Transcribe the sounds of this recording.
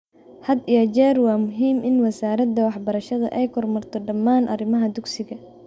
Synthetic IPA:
hɐd̪ijɐt͡ʃɛːrwɑːmʊɦiːmɪnwɐsaːɾɐd̪ɐwɑħbɐɾɐʃɐðɐ̰ʔɛjkʰɔrmɐrt̪ʰɔɖɐmːaːnʔɐ̰rɪmɐɦɐd̪ʊɡsɪɣɐ

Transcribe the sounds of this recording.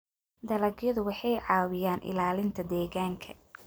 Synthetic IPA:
d̪ɐlɐɡjɐðʊwɑħɑjʕɑːwɪjaːnʔɪ̰laːlɪnt̪ʰɐd̪ɛːɣaːŋkʰɐ

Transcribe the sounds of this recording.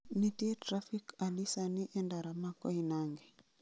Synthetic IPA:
nitiɛtɾafikalisaniʔɛndaɾamakɔinaŋɡɛ

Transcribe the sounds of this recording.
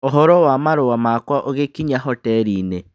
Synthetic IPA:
oɦɔɾɔwamaɾowamakwaʔoɣekiɲaɦɔtɛɾiːne

